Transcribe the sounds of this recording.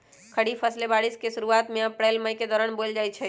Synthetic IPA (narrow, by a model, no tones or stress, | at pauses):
kʰəɽifʰəslebaːɽiskeʃʊɾuaːt̪mẽəpɾeːlməjked̪ɔːɾəɳbold͡ʒaːjt͡ʃʰɛ